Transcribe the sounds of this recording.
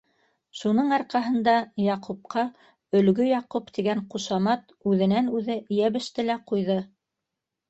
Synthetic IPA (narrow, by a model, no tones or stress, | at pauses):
ʃunɤɴɑɾqɑɦɤ̆nd̪ɑjɑqʰup̚qɑ | ɵ̆lɡɵjɑqupt̪iɡæɴquʃɑmɑt̪ | ʉðɘ̆nænʉðɘjæβɘ̆ʃt̪ɘlæqujðɤ